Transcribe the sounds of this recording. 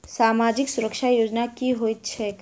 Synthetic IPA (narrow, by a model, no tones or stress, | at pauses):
saːmaːd͡ʒɪksʊɾəkʃajoːd͡ʒnakiɦoːit̪t͡ʃʰɛːk